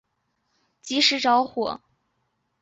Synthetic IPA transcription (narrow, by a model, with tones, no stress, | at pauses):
t͡ɕi˧˥ʂɻ̩˧˥ʈ͡ʂɑ˧˥ʊxwɔ̰˨˩˦